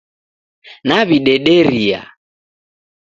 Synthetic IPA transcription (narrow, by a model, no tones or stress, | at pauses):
naβiɗɛɗɛɾia̰